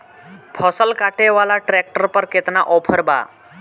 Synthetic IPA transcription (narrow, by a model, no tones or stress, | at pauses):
pʰɔsəlkaʈeʋalaʈɾɛk̚ʈəɾpəɾket̪naʔɔpʰəɾba̰